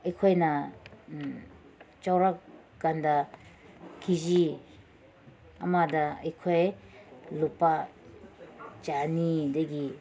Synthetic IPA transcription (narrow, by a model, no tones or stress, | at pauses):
ɐjkʰojna | t͡ʃawɾak | ɡ̥anda | kʰizi | amadaɐjkʰoj | lupa | t͡ʃanidaɡi